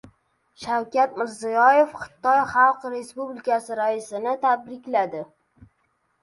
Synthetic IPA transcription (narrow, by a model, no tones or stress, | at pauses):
ʃawkʲat̪mɪɾzijɒje̞fχɨ̥t̪ʰɒjχɑlˠqɾe̞spublɪkʲʰasɪɾaɪsɪnɪt̪ʰab̪ɾɪkʲlad̪ɪ